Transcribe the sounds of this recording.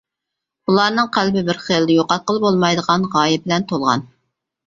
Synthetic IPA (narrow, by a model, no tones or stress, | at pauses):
bulˠɑɾnɨŋqʰælbɪbɪɾχijlˠd̪ɛjoqɑt̪̚qəlˠbolˠmɑjd̪əʁɑnʁɑːjɛbɪlɛnt̪ʰolˠʁɑ̰n